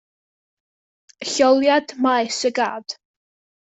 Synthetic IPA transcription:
əɬɔlˠjadmaɨsəɡaːd̥

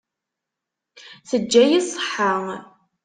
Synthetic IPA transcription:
θəd͡ʒːæjisˤə̥ħːə

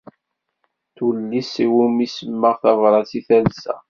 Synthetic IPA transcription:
θulːisiwumisəmːəʁθɑvɾˤɑt͡siθælsæ̰

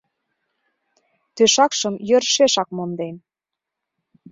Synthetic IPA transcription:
t̪øʃɑkʃə̆mjø̆rʃeʃɑk̚mond̪en

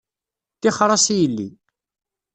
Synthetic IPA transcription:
θɪχɾˤɑsijəlːḭ

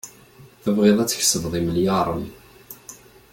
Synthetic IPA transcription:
θævʁeðˤæt͡sːə̥ç̥səvðˤiməljɑɾˤəm

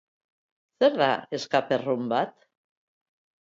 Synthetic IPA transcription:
seɾða̰eskaperumbat̪

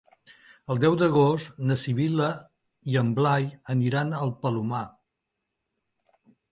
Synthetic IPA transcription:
əlˠd̪ɛwd̪əɣost̪nəsiβilə | iəmblajəniɾanəlˠpəluma

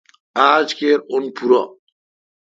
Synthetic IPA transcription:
aːd͡ʒkeɾonpʰuɾɔ

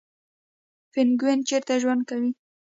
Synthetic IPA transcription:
fɪnɡwent͡ʃeɾt̪aʒwand̪̚kawi

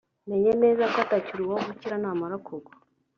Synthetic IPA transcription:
neɲenezakatacuɾiwaɡuciɾanamaɾakoɡo̥

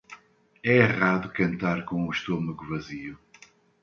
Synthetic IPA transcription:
ɛeʁaðukɐ̃nt̪aɾkõuʃt̪omɐɣuvɐziu

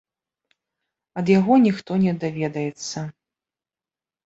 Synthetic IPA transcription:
ɐd̪jaɣɔnʲixt̪ɔnʲɛd̪avʲɛd̪ɐjɛt̪sːɐ

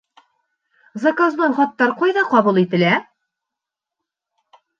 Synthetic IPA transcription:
zɐkozmɑnχɒt̪ːɑɾqɑjðɑqɒβulˠit̪ɘ̆læ

